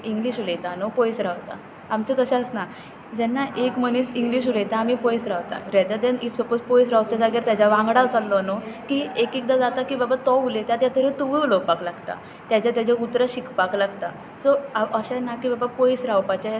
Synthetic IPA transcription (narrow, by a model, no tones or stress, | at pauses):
iŋɡliɕulejt̪anopojsɾawt̪a̰ː | mt͡ɕat̪əɕãəsna | d͡ʑɛnːaʔekmənisiŋɡliːɕ̬ulejt̪aːmipɔjsɾaʋt̪a̰ɾɛd̪ad̪enisɔpot͡spojs̬ɾawp̚t͡ɕ̪ad͡zaɡiɾt̪jad͡ʑaʋãŋɡɽalt͡salːɔnokiekik̚d̪ad͡zat̪akiːbabat̪ɔulet̪jat̪jat̪ʰəɾet̪uʋuulɔpaklaɡt̪a̰ | t̪jat͡ɕat̪jat͡ɕaut̪ɾəɕikpaklaɡt̪a | sɔaʔəɕanakibabapojsɾawpat͡ɕa